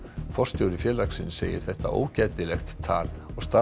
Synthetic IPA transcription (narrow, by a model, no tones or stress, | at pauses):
fɔr̥st̪jowɾɪfjɛːlaksɪnsḛːjɪ̰ɾ̥θɛht̪a̰ʔo̰ːwcaːt̪ɪlɛxt̪ʰːa̰ːlɔɣst̪a